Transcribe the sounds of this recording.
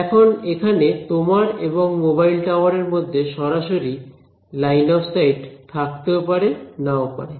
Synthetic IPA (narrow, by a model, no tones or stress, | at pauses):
ɛkʰonekʰanet̪omaɾeβoŋmoβajlʈawaɾeɾmod̪ʱːeʃɔɾaʃoɾi | lajnɔfʰsajʈt̪ʰak̚t̪eopaɾenaopa̰ɾe